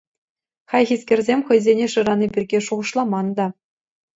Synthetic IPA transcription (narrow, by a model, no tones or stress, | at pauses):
χɑjxʲisʲkʲĕrʲzʲemʲχɤ̆jzʲenʲeʂɤ̆ɾɑnʲibʲirʲɡʲeʂuʁɤ̆ʃlˠɑmɑnd̪ɑ